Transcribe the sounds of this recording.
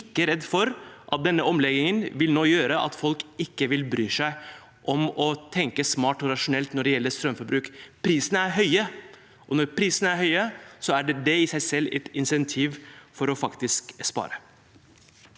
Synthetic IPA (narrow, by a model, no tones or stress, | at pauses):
ɪkːəɾɛd̪ːfɔɾʔɑt̪̚d̪ɛnːəɔmlɛɡ̪ɪŋənʋɪlnoːjøːɾəʔɑ̰t̪fɔlkɪkːəʋɪlbɾyːʂæɪ | ʔɔmɔt̪ʰɛŋkəsmɑːʈɔɾɑʂʊnɛlt̪nɔɖɛjɛlːəɾst̪ɾœmfɔɾbɾʉːkpʰɾiːsənəæɾɦœʏə | ʔɔnɔɾpʰɾiːsənəæɾhœʏəsɔæɖɛɖɛɪsæɪsɛlːɛ̰t̪ɪnsɛnt̪ʰiːʋfɔɾɔfɑkt̪ɪskspɑ̰ːɾə